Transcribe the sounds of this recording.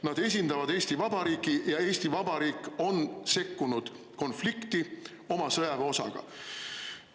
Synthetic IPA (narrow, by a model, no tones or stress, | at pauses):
nɑd̪e̞s̬ʲind̪̥ɑvɑd̪e̞ːst̪ivɑbɑɾiːkˑijɑe̞ːst̪ivɑbɑɾiːkːˑo̞nse̞kːunud̪̥ | ko̞nflikt̪i | o̞mɑsɤjɑveo̞sɑ̰ɡ̥ɑ̰